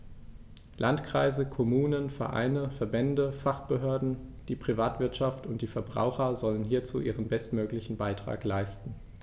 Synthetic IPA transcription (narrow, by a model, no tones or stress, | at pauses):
lʔantkʁ̥aɪzəkʰɔmuːnənfɛɐʔa̰ɪnəfɛɐbɛndəfaχb̥əɦøːɐdn̩d̥iːpʁ̥ivaːtv̥ɪɐtʃaftʊntd̥iːfɛɐbʁa̰ʊxɐzɔlənɦiːɐt͡sṵːʔiːʁənbɛstmøːklɪçn̩baɪtʁ̥a̰ːklaɪstn̩